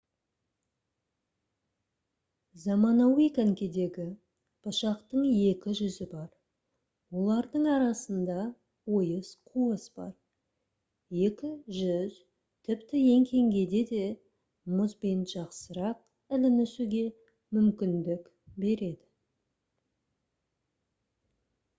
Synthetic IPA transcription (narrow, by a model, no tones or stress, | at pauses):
zɑmɑnɑwijkaŋkʲe̞d̪e̞ɡʲɪ | b̥ɑʃɑqt̪əɴje̞kʲɪʒʏzɪbɑɾ | wo̞lˠɑɾd̪əɴɑɾɑsənd̪ɑ | wo̞jəsqʰuəsbɑ̰ɾ | je̞kʲɪʒʏz | t̪ʰɪpt̪ɪje̞ŋkʲʰe̞ŋɡʲe̞d̪e̞d̪e̞ | mʊzbenʒɑqsəɾɑq̚ | ɪlɪnɪsuɡʲe̞ | mʏmkʲɪnd̪ɪk | be̞ɾe̞d̪ɪ